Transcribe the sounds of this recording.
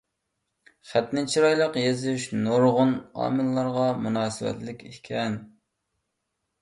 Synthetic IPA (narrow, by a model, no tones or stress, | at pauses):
χæt̪nɪt͡ʃʰiɾɑjlˠəqjezyʃnoɾʁʊnɑ̰ːmɨlːˠɑɾʁɑmunɑːsɨwɛ̰t̪lɪkʲekʲʰɛn